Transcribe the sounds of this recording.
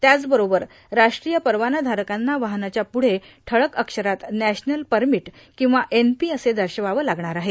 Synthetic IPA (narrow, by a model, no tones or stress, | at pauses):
t̪jat͡sbəɾobəɾ | ɾaʂʈɾijəpəɾʋanad̪ʱaɾəkanːaʋaɦnat͡ɕjapuɽ̤e | ʈʰəɭəkəkʂəɾat̪næɕnəlpəɾmiʈ | kĩw̃ʋaʔenpiəsed̪ʱəɾɕəʋaʋəlaɡɳaɾaɦe